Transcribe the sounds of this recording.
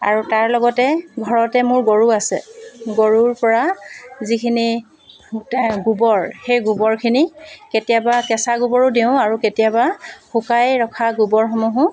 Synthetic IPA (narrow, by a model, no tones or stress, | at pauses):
a̰ɹutaɹlɔɡɔtɛɡʱɔɹɔtɛmʊɹɡoɹuasɛ̰ɡoɹuɹpɔɹazikʰini | ɡubɔɹxejɡubɔɹkʰiniketijabakɛsaɡubɔɹʊdeʊ̃aɹuketijabaxʊkajɹɔkʰaɡubɔɹxɔmɔɦʊ̃